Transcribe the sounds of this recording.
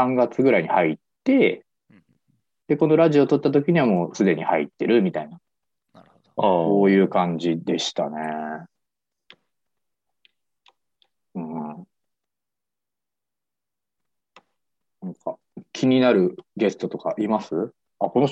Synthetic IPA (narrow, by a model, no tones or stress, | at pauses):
ãŋɡat͡sɨɡɯ̟ɾaiɲ̟ihait̪ːe̞ | d̪̥e̞ko̞no̞ɾaʑio̞t̪o̞t̪ːat̪o̞kʲiɲ̟iβamo̞ːsɨd̪e̞ɲ̟ihait̪ːe̞ɾɯ̟mʲit̪ainḁ | ko̞ːjɯ̟ːkãɲ̟d͡ʑid̪e̞ɕi̥t̪a̰ne̞ | ɯ̟̃ː | nãŋka | kʲʰiɲ̟inaɾɯ̟ɡe̞sɨ̥t̪o̞t̪o̞kaʔimasɨ | ako̞no̞